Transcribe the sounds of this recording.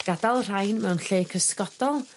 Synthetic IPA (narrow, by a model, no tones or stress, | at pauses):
ɡ̥adalˠr̥ajnmɛwnɬeːkʰəskɔd̥ɔlˠ